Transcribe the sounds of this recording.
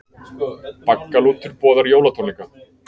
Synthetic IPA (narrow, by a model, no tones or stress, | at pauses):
pakːaluːt̪ʰʏɾpɔːðaɾjoːwlat̪ʰɔnika